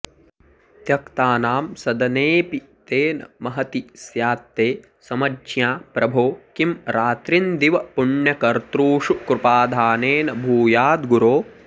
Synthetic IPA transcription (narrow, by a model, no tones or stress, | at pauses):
t̪jɐkt̪aːnaːmsɐd̪ɐneːpi | t̪eːnɐ̰mɐɦɐt̪isjaːt̪ːeː | sɐmɐjaːpɾɐbʱoːkimɾaːt̪ɾind̪iʋɐpuɳjɐkɐɾt̪ɾuːʂukɾupaːd̪ʱaːneːnɐbʱuːjaːd̪ɡuɾoː